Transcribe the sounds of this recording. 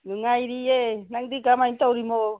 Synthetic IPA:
nuŋaiɾienaŋd̪ikamaint̪awɾimo

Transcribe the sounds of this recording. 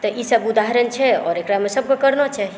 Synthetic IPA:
t̪əʔisəbud̪aɦəɾənt͡ʃʰɛɔ̰ːɾekɾamesəb̚kokəɾnat͡ʃʰaɦi

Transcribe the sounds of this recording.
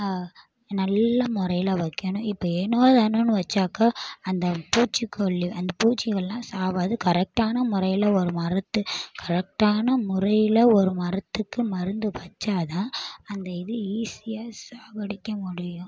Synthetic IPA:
nɐlːɐmʊɾɐjɪlɐʋɐkːɐɳʊ̃ɪpːɐɛːnːoːðaːnonɯʋɐt͡ʃːaːkaːɐnd̪ɐpuːt͡ʃːikːɔɭːiɐnd̪ɐpuːt͡ʃːɪɣɐɭlãːsaːʋaːðɯkɐɾɛk̚ʈaːnɐmʊɾɐjɪlɐɔɾɯmɐɾɐt̪ːɯkʰɐɾɛk̚ʈaːnɐmʊɾɐjɪlɐɔɾɯmɐɾɐt̪ːɯkːɯmɐɾɯnd̪ɯpɐt͡ʃːaːðãːɐnd̪ɐɪðɯiːsɪjaːsaːʋɐɽɪkːɐmʊɽɪjʊ̃

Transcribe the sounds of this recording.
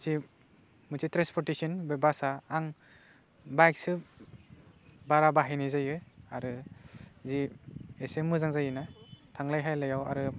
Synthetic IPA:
ti | mɯtitɾanspʰɔɾtisɔnbebasaːŋ | bajk̚sɯ | baɾabaɦajnizajɯaɾɯ | ziesemɯzaŋzajɯnatʰaŋlajɦajlajawa̰ɾɯ

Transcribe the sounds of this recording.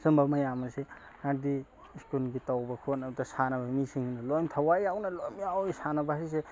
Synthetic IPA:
sɯmbɐmɐjamɐse | naɾdi | skulɡitawbɐkʰonɐb̚dɐsanɐbɐmisiŋnɐlojmtʰawajawnɐlojmjawisanɐbaise

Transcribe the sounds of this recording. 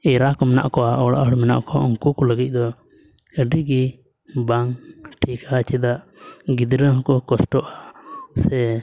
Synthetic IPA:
ɛɾakɔmɛna̰ʔkɔaʔɔɽa̰ʔəɽmɛna̰ʔkɔaɔŋkukɔləɡic̪̚ˀd̪ɔ | əɖiɡi | baŋʈʰikʰat͡ʃɛd̪aʔɡid̪ɾəɦɔkɔkɔsʈɔʔasɛ

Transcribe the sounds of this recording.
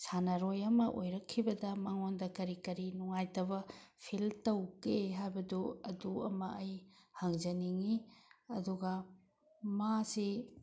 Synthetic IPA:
sanaɾojɐmɐʔojɾɐkʰːibɐdɐmɐŋondɐkɐɾikɐɾinuŋajtɐbɐpʰiltɐwkeɦajbɐduɐduɐ̰mɐɐjhaŋzɐniŋiɐduɡɐ | masi

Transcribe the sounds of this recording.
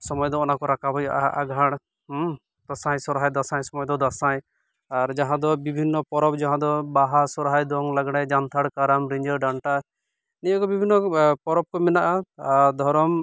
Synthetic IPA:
sɔmɔjɔd̪ɔɔnakɔɾakʰabʱɔjaʔaʔaɡʱaɽ̃ | t̪ɔsãjsɔɾɦajd̪asãjsɔmɔjd̪ɔd̪asaj | aɾd͡ʒaɦãd̪ɔbibʱinːɔpɔɾɔbd͡ʒaɦãd̪ɔbaɦasɔɾɦajd̪ɔŋlaɡɽ̃ajd͡ʒant̪ʰaɽkaɾamɾiɲd͡ʒəɾɖaɳʈa | nijɔkɔbibʱinːɔpɔɾɔb̚kɔmɛnaʔad̪ʱɔɾɔm

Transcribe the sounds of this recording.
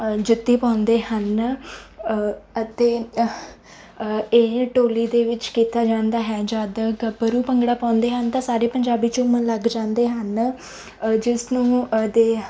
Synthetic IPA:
d͡ʒɪt̪ːiːpãːnd̪eːɦən | ət̪eː | eːʈoːliːd̪eːʋɪt͡ʃkiːt̪aːd͡ʒãːnd̪aːɦɛːd͡ʒaːd̪əɡbəɾuːpəŋɡɽaːpãːnd̪eːɦənt̪ãːsaːɾeːpəɲd͡ʒaːbiːt͡ʃõːmənləɡd͡ʒãːnd̪eːɦən | d͡ʒɪsnũːd̪eː

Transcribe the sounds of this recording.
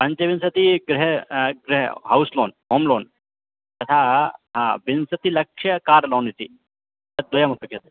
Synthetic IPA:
pɐɲt͡ʃeʋinsɐt̪iɡɾɪɦeɡɾɪɦḛɦɐwslo̰ːnɦoːmloːn | t̪ɐt̪ʰaːɦaːbinsɐt̪ilɐkʂjɐkaːɾloːnit̪ḭ | ɐd̪ojamɐt̪ɐkʰjet̪

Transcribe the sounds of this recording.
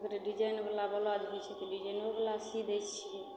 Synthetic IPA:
kɾeɖid͡ʒajnbelabəlad͡ʒɦojt͡ʃʰɛt̪ɔɖid͡ʒajnbebelasid̪ejt͡ʃt͡ʃʰie

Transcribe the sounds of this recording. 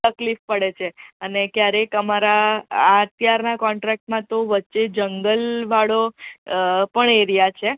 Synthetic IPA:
t̪əklifpəɽet͡ʃʰeənekjaɾekəmaɾaːət̪jaɾnakɔ̃ɳʈɾɛk̚ʈmãt̪oʋətːʃed͡ʒəŋɡəlʋaɽo | pəɳeɾijat͡ʃʰe

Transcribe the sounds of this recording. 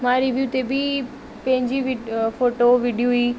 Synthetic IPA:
mãːɾiʋijuːt̪ebɪ | pɐ̃ɦɪ̃ɲd͡ʑiʋifoːʈoʋiɖijuɦi

